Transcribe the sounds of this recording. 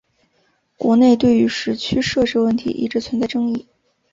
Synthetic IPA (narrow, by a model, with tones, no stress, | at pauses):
kwɔ˧˥ne˥˧ɪt̪we˥˩ɪy˧˥ʂɻ̩˧˥t͡ɕʰy˥ʂɤ˥˧ʈ͡ʂɻ̩˥˧wə˥˩nt̪ʰḭ˧˥ʔḭ˥˩ʈ͡ʂɻ̩˧˥t͡sʰə˧˥nt͡sa˥˩ɪʈ͡ʂɤ˥ŋi˥˩